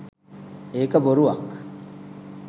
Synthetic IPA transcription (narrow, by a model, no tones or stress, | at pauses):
eːkɐboɾuɐkː